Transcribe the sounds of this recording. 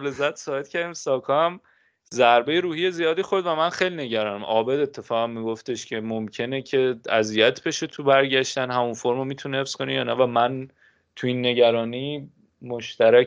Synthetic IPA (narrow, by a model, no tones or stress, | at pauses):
le̞zːæt̪sɒːbe̞t̪cʰæɾd̪iːmsɒːkʰɒæm | zæɾbe̞jeɾuːhije̞zijɒːd̪iːxoɾd̪væmænxejline̞ɟæɾɒːnæmʔɒːbe̞d̪e̞t̪ʰːe̞fɒːɣæmːiɡoft̪e̞ʃcʰe̞momcʰe̞necʰe̞æzijæt̪ʰbe̞ʃet̪ʰubæɾɟæʃt̪ænɦæmunfoɾmomiːt̪ʰunihefsko̞nijɒːnævæmæn | t̪ʰuinːe̞ɟæɾɒːniː | moʃt̪æɾæ